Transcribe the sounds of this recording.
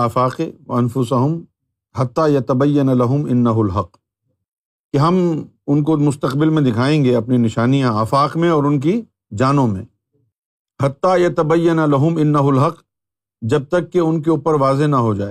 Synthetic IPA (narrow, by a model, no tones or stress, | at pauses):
aːfaːqewɐɐnfʊsɐɦʊm | hɐt̪ːaːjɐt̪ɐbɐjːɐnlɐɦʊmɪnːɐɦʊlɦɐq | keɦɐm | ʊnkomʊst̪ɐqbɪlmẽd̪ɪkʰaːẽːŋɡeɐpninɪʃaːnijãaːfaːqmẽɔːɾʊnk̬i | d͡ʒaːnõmḛ̃ː | hɐt̪ːaːjɐt̪ɐbɐjːɐnalɐɦʊmɪnːɐɦʊlɦɐq | d͡ʒɐb̚t̪ɐkːeʊnk̬euːpəɾʋaːzenɐɦod͡ʒaːeː